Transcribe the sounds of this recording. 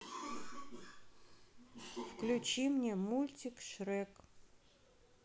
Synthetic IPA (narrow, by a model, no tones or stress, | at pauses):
fklʲʊt͡ɕimnʲɛmulʲtʲikʃɾɛk